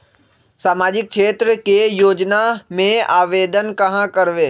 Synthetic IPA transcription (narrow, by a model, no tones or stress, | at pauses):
saːmaːd͡ʒɪk̚kʃeːt̪ɾəkejoːd͡ʒnamẽaːʋeːd̪ənkɐɦãkɐɾʋeː